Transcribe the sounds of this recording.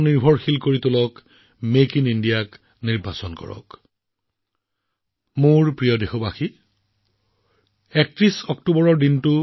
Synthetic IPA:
niɹbʱɔɹxilkoɹit̪ʊlɔk | mekinindijak | niɹbʱasɔnkɔ̰ɹɔ̰k | mʊɹpɹijɔdexɔbaxi | ɛk̚tɹisɔktubɔɹɔɹdintʊ

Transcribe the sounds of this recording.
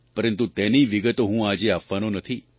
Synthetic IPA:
pəɾənt̪ut̪ɛniʋiɡət̪oɦũad͡ʒeapʋanonət̪ʰi

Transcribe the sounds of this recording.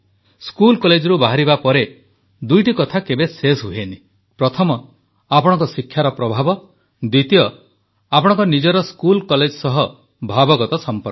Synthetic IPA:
skulkɔled͡ʒɔɾubaɦaɾibapɔɾe | d̪ujʈikɔt̪ʰakebesesɦuɦeni | pɾɔt̪ʰɔmɔ | apɔɽ̃ɔ̃ŋkɔsikʰjaɾɔpɾɔbʱabɔ | d̪wit̪ijɔ | apɔɽ̃ɔŋkɔnid͡ʒɔɾɔskulkɔled͡ʒsɔɦɔ | bʱabɔɡɔt̪ɔsɔmpɔɾ

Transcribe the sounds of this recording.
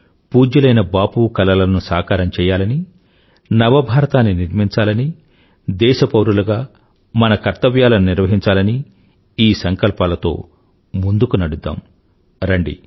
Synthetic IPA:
puːd͡ʒɐlɐjnɐbaːpuːkɐlɐlɐnusaːkaːɾɐmt͡ʃɛːjaːlɐni | nɐʋɐbʱaːɾɐt̪aːnːiniɾmiɲt͡ʃaːlɐni | d̪ɛːʃɐpɐwɾulɐɡaː | mɐnɐkɐɾt̪ɐʋjaːlɐnniɾʋɐɦiɲt͡ʃaːlɐni | iːsɐŋkɐlpaːlɐt̪o̞̰ː | mund̪ukunɐɽud̪ːa̰ːm | ɾɐɳɖḭ

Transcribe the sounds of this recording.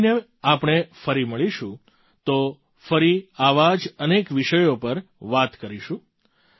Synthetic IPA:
ne | apɳ̃efəɾiməɭiʃũ | t̪o | fəɾiaʋad͡ʒənekʋiʃəjopəɾʋat̪kəɾiʃũ

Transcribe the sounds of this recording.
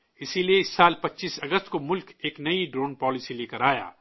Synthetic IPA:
ɪsilieɪsːaːlpɐtːʃiːsɐɡəst̪komʊlkeːknɐiɖɾõːnpɔːlisileːkəɾaːja̰ː

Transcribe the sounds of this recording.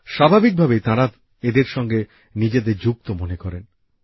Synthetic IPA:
ʃabʱabik̚bʱabet̪ãɾa | ed̪eɾʃɔŋɡe | nid͡ʑed̪eɾd͡ʑuk̚t̪omonekɔɾen

